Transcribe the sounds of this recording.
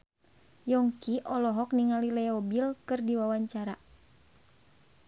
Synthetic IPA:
jɔŋkiʔɔlɔɦɔk̚niŋalilɛɔbilkɨrdiwawaɲt͡ʃaɾa

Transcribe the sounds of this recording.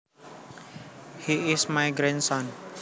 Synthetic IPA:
hiɪsmajɡɾɛ̃nsãn

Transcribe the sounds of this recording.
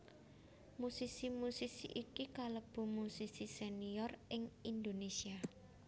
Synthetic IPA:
musisimusisḭʔikikaləb̥ṳmusisiseniɔrɪŋind̪onesia

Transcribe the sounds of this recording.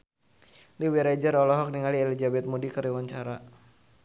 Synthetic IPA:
liwiɾed͡ʒəɾɔlɔɦɔk̚niŋalielid͡ʒabɛt̪̚mudikəɾiwaɲt͡ʃaɾa

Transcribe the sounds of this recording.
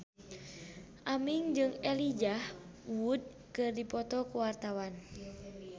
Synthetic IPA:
ʔamiŋd͡ʒɨŋɛlid͡ʒahwud̚ | kɨrdipɔt̪ɔkuwart̪awan

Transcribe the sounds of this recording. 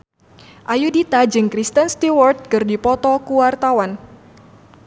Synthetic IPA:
ʔajudit̪ad͡ʒɨŋkɾist̪ənst̪iwɔrt̪̚kɨrdipɔt̪ɔkuwart̪awan

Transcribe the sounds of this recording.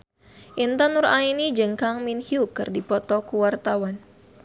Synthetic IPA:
ʔint̪anuɾainid͡ʒɨŋkaŋminhiukɨrdipɔt̪ɔkuwart̪awan

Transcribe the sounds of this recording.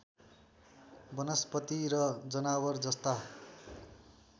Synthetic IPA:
bʌnʌspʌt̪iɾʌd͡zʌnawʌrd͡zʌst̪a

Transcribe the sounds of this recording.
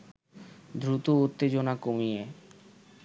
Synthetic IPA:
d̪ɾut̪out̪ːed͡ʑonakomije

